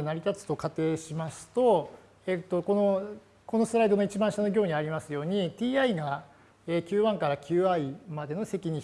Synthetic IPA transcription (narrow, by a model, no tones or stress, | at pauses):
naɾʲit̪at͡sɨ̥t̪o̞kat̪e̞ːɕimasɨ̥t̪o̞ | et̪ːo̞ko̞no̞ | ko̞no̞sɨɾaid̪o̞no̞it͡ɕibãɕano̞ɡʲo̞ːɲ̟iaɾʲimasɨjo̞ːɲ̟it̪ʲiːaiɡa | eːkʲɨːβãŋkaɾakʲʰɨːaimad̪e̞no̞se̞kʲiɲ̟i